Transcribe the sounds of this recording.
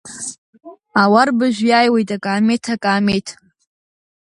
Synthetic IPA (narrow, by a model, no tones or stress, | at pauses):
awarbɨʒᶣʷjaːjwe̞jtʼakʼaːmetʰakʼaːmetʰ